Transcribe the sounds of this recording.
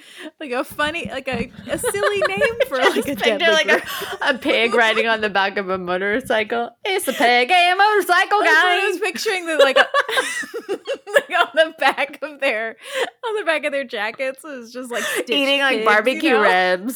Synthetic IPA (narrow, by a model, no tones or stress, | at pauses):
laɪkəfʌnilaɪkɨɨsɪllˠinẽɪɪ̃mfə˞də˞laɪkəəpʰɪɡɹaɪɾɪ̃ŋə̃nðɨbækʌvəmʌɾə˞saɪkl̩ˠɪtsɨpɪɡaɪɨ̃moʊə˞saɪkl̩ˠɡaɪʌz̥pɪk̚t͡ʃə˞ɪ̃ŋðɨlaɪk | laɪkə̃n̩ðɨbækʌvðə˞ə̃nðɨbækʌvðə˞d͡ʒækɨtsɪzd͡ʒʌst̚ˡlaɪkiɾɪ̃ŋlaɪbɑɹbɨkjʉɹɛbz̥